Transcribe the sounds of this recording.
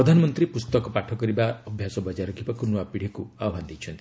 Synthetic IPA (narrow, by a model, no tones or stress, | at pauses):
ɔd̪ʱanɔmɔnt̪ɾipust̪ɔkɔpaʈʰɔkɔɾibaɔbʱjasɔbɔd͡ʒaɾɔɡibɔkunuapiɽ̤ikuaɔband̪it͡ʃʰɔnt̪ii